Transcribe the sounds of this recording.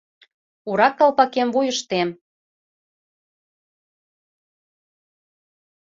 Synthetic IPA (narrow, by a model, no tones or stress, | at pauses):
uɾɑkːɑlpɑkemvujəʃt̪em